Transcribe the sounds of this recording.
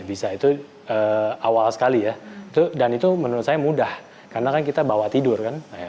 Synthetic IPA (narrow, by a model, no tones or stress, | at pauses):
bisait̪u | əːawalsə̥kalijait̪udanit̪umənuɾʊt̪̚sajamudah | karnakankit̪abawat̪idʊrkanaja